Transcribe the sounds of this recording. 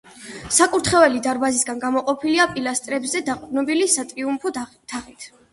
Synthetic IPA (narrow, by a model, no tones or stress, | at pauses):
sakʼuɾt̪ʰχɛvɛlid̪aɾbazisɡanɡamɔqʼɔpʰiliapʼilast̪ʼɾɛbzɛd̪aqʼd̪nɔbilisat̪ʼɾiumpʰɔ | t̪ʰaχit̪ʰ